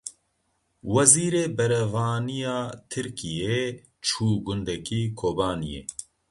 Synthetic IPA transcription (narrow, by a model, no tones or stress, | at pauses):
wɐziːɾeːbɛɾɐvaːnijaːt̪ʰɨɾkijeː | t͡ʃʰuːɡʊnd̪ɛkiːkʰoːbaːnḭjḛː